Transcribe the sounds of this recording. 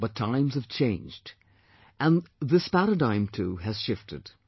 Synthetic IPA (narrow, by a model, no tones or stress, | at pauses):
b̥ʌtʰãɪ̃mz̥əv̥t͡ʃʰẽɪ̃nd͡ʒd | ʔɨ̃nðɪspæɾədãɪ̃mtʰuɨz̥ʃɪftɨ̰d̥